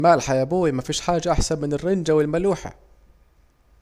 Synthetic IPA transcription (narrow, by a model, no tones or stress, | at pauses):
maːlħajabuːimafiːʃħaːd͡ʒːaʔaħsamːɪnɪrːɪnd͡ʒawɪlmaluːħa̰